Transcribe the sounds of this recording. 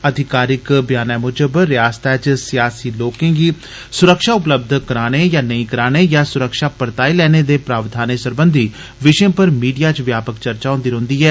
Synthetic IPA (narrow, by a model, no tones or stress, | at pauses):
əd̪ʱɪkaːɾɪkbjaːnɛːmʊd͡ʒəbɾɪjaːst̪ʰɛːt͡ʃsɪjaːsiːloːkẽːɡiː | sʊɾəkʃaːʊpləb̚d̪ʱkəɾaːɽ̃eːjaːnəĩːkəɾaːɽ̃eːjaːsʊɾəkʃaːpəɾt̪aːiːlɛːneːd̪eːpɾaːʋd̪ʱaːnesəɾbənd̪ʱiː | ʋɪʃẽːpəɾmiːɖijaːt͡ʃʋjaːpəkt͡ʃəɾt͡ʃaːɦõnd̪iːɦõːnd̪iːɦɛː